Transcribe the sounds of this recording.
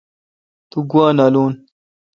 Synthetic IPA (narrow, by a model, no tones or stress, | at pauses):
t̪uɡwaːnalun